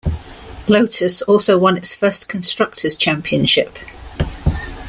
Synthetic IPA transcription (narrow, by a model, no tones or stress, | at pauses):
ləʊtʰəsɔˑlˠsəʊwʌ̃nɪtsfɜˑskʰə̃nstɹ̥ʌk̚tʰəz̥t͡ʃʰãmpʰiə̃nʃɪp